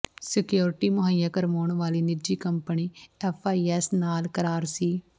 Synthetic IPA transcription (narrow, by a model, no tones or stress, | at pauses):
sɪkjoːɾʈiːmʊɦəjaːkəɾmoːɳʋaːliːnɪɾd͡ʒiːkəmpəniːɛːpʰaːiːɛːsnaːlkəɾaːɾsiː